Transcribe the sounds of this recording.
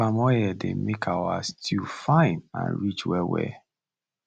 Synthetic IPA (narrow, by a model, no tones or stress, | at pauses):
amɔjɛdḛmekʰawa̰stʰifãɪ̃nã̰nɹit͡ʃwɛwɛ̰